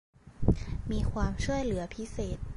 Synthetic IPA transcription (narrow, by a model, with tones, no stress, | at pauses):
miː˧kʰwaː˧mt͡ɕʰu˥˩əjlɯ˩˦ɐpʰi˦˥seː˨˩t̪̚